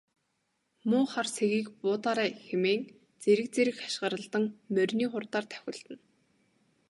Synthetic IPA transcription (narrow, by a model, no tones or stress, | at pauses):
mʊːχarsʰeɣiːkpʊːt̪aːɾæːxemeːŋ | t͡seɾɘ̆k̚t͡seɾɘ̆xḁʃɢə̆ɾə̆ɮt̪ə̆ŋmœrʲniːχʊrt̪aːrt̪ʰæ̥xʲɪ̆ɮt̪ɘ̆n